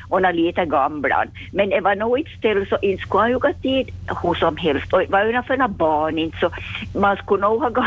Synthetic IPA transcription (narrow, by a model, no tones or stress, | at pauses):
onɑliːt̪æɡɑmblɑ̰n | meneʋɑnoːit̪st̪elsoʔint̪skuɑjukɑt̪ːiːd̪husomhelst̪oʋɑønɑfønɑbɑːnint̪somɑnskunowhɑɡɑ